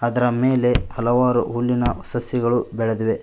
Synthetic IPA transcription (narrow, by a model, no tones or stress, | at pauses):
ɐd̪ɐɾɐmeːle̞hɐlɐʋaːɾṵɦulːinɐɐsɐsjɐɡɐɭubɛɭed̪iʋe̞